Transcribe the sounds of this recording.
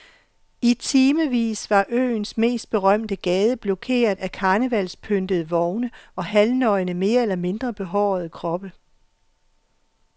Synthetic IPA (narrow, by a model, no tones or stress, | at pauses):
it͡sʰiːməʋḭːsʋɑ̈ʔø̰ːnsme̝̰ːsd̥̚b̥e̝ʁɶm̰d̥əɡ̥ɛːð̞ˠəb̥lɔkʰe̝̰ːɐð̩ˠækʰɑ̈ːnəʋælspʰønd̥əð̩ˠəʋɒʊnəɒ̽hælnɒ̽ɪnəme̝ːɐelɐme̝nd̥ʁɐb̥e̝ɦɒʊ̰ðˠəkʰʁɒ̽b̥ə